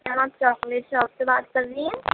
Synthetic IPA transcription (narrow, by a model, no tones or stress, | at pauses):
ãaːp̚t͡ʃɔːkleːʈʃɔːpsebaːt̪̚kɐɾd̪iːɛ̃ː